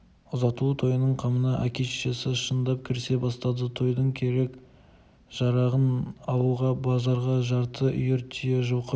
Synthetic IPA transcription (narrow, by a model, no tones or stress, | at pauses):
ʊzɑt̪ut̪ʰo̞jənəɴqʰɑmənɑʔækʲeʃʃesɪʃənd̪ɑp̚kʲʰɪɾse̞bɑst̪ɑd̪ət̪ʰo̞jd̪əɴkʲʰe̞ɾe̞k | ʒ̥ɑɾɑʁənɑwuʁɑbɑzɑɾʁɑʒɑɾt̪ʰəʔʏ̰jeɾt̪ʰʏjeʒoqə